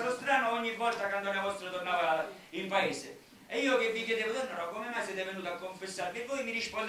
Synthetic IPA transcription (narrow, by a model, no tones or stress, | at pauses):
t̪ost̪ɾaːnoɔɲːivːɔlt̪akwand̪okavɔst̪ɾot̪ornaːva | impaeːse | iːok̟evːikjed̪eːvot̪ornaɾɔkːomemːajsjɛːt̪evenuːt̪oakːoɱfesːaɾvivojmiɾispo